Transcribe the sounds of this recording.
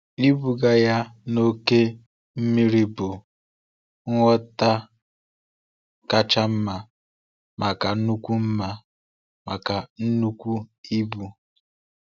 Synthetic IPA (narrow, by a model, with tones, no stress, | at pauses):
i˦bu˨ɡa˦ja˦no˦ke˦ | m̩˦mi˦ɾi˦bʊ˨ | ŋ̩ʷ˦ɔ˦ta˦ | ka˦t͡ʃa˦m̩˦ma˨ | mʔa˨ka˨n̩˦nu˦kʷu˦m̩˦ma˦ | ma˨ka˨n̩˦nu˦kʷu˦i˦bu˨